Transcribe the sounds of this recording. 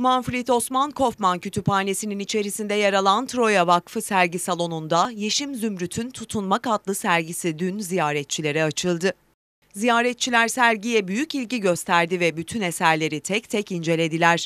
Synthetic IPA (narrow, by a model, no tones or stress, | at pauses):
manfɾit̪o̞smankʰo̞fmancʰyt̪ʰypʰaːnʲe̞sininit͡ʃʰe̞ɾisind̪ɛjaɾalˠant̪ʰɾo̞javakfɯsæɾɟisalˠo̞nund̪aje̞ʃimzymɾyt̪ʰynt̪ʰut̪ʰunmakat̪lˠɯsæɾɟisid̪ynzijaːɾɛt̪̚t͡ʃʰilʲe̞ɾɛat͡ʃʰɯlˠd̪ɯ | zijaːɾɛt̪̚t͡ʃʰilʲæɾsæɾɟijɛbyjycilʲɟiɟø̞st̪ʰæɾd̪ivɛbyt̪ʰyne̞sæɾlʲe̞ɾit̪ʰɛct̪ʰɛcind͡ʒe̞lʲe̞d̪ilʲæɾ̥